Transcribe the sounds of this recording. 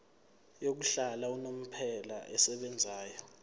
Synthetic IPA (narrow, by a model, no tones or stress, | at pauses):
jok̬uɬalaunom̩pʰɛla̰ʔɛsɛɓɛnd͡zʱaːjɔ